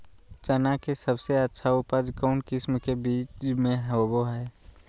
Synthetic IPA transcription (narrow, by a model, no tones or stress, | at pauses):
t͡ʃənakesəbseətːʃʰaʊpəd͡ʒkəʊnkɪsmkebiːt͡ʃmẽɦoboɦɛː